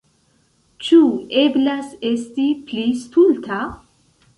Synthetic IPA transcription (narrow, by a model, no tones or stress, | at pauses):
t͡ʃueblasest̪iplist̪ult̪ʰa